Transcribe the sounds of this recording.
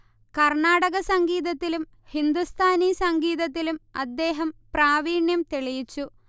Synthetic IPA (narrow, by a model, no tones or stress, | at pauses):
kɐrɳaːɽɐɣɐsɐŋɡiːðɐt̪ːilum | hind̪ust̪ʰaːnisɐŋɡiːðɐt̪ːilumɐ̰d̪ːe̞ːɦɐmpraːʋiːɳjɐmt̪eɭijit͡ɕːu